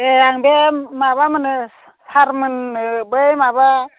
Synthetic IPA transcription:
eaŋbemaβamɯnɯ | saɾmɯnɯbɯjmaba

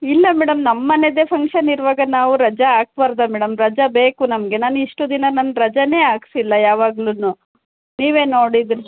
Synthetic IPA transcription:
ilːɐmɛːɽɐmnɐmːɐned̪epʰɐŋkʂɐniɾuʋaːɡɐnaːʋuɾɐd͡ʒɐaːk̚bɐɾd̪ɐmɛːɽɐmɾɐd͡ʒɐbe̞ːkunɐmɐɡe̞naːnuiʂʈud̪inɐnɐnːɐɾɐd͡ʒɐne̞ːaːksilːɐjaːʋaːɡlunu | niːʋe̞ːno̞ːɽid̪ɾi

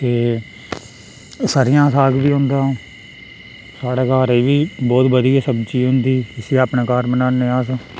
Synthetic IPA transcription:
t̪eː | saːɾɪjãːsaːkbiːɦʊ̃nd̪ãː | saːɽaːkaːɾeːʋiːbɔːt̪bəd̪iaːsəbt͡ʃiːɦʊ̃nd̪iːɪseːaːpnãːkaːɾbənaːneːaːsãː

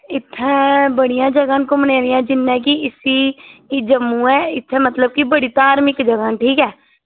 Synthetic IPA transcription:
ɪt̪ʰːɛ̃ːbəɽijãːd͡ʒəɡãːnkʊmneːɾɪjãːd͡ʒɪnːɛ̃ːkiɪsiːd͡ʒəmːũːɛːɪt̪ʰːɛ̃ːmət̪ləb̚kibəɽiːt̪aːɾmɪkd͡ʒəɡãːnʈʰiːkɛː

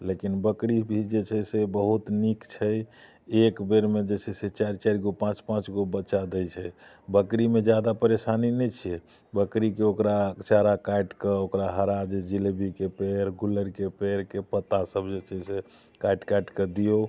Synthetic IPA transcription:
lekinbəkɾibʱid͡ʒet͡ʃʰɛsebəɦut̪nikt͡ʃʰəj | ekbeɾmed͡ʒet͡ʃʰɛset͡ʃaɾt͡ʃaɾɡopãt͡ʃpãt͡ʃɡobət͡ʃad̪ɛjt͡ʃʰɛ | bəkɾimed͡ʒjad̪apəɾesaninɛt͡ʃʰije | bəkɾikeokɾat͡ʃaɾakajʈkeokɾaɦəɾad͡ʒed͡ʒilbikepeɾɡuləɾkepeɾkepət̪ːasəbʱd͡ʒet͡ʃʰɛse | kajʈkajʈked̪ijo

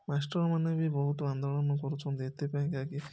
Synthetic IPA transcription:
masʈɔɾmanebibɔɦut̪ɔand̪oɭɔnɔkɔɾut͡ʃʰɔnt̪iet̪ʰepaĩkaki

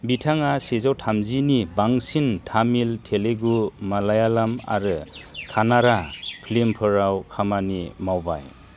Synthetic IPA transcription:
bitʰaŋasezawtʰamzinibaŋsintʰamiltʰeleɡumalajalama̰ɾɯkʰanaɾapʰlimpʰɯɾawkʰamanimawba̰j

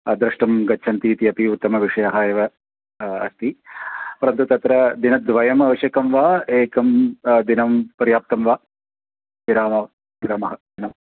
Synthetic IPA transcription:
ɐd̪ɾɐʂʈɐmɡɐt͡ʃːt͡ʃʰɐnt̪iːt̪iɐpiut̪ːɐmɐʋiʂɐjaɦaːjeʋɐː | st̪ipɐɾɐnt̪ut̪ɐt̪ɾɐd̪inɐd̪ʋɐjɐmɐʋɐʃjɐkɐmʋaːeːkɐmd̪inɐmpɐɾjaːp̚t̪ɐmʋaː | ʋiɾaːmɐ | ʋiɾaːmɐɦɐd̪inɐm

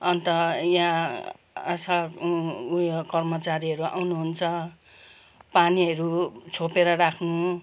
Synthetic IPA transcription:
ʌnt̪ʌjãː | sa | jkʌrmʌt͡saɾiɦʌɾua̰wnuɦunt͡sʰʌ | paniɦʌɾut͡sʰopeɾʌɾakʰnu

